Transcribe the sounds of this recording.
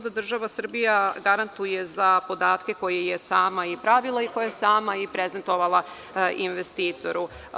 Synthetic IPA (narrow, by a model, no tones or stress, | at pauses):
od̪ad̪r̩ʒaʋasr̩bijaɡaɾant̪uje̞zapo̞d̪aːt̪ke̞ko̞jejesaːmaipɾaʋilˠaikojajesaːmaipɾezent̪o̞ʋalˠa | inʋest̪iːt̪o̞ɾu